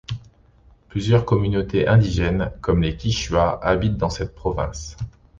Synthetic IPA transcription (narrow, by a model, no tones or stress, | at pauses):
plyzjœʁkɔmynot̪eʔɛ̃d̪iʒɛnkɔmlekʲiʃɥaʔabit̪̚d̪ɑ̃sɛt̪̚pχɔvɛ̰̃s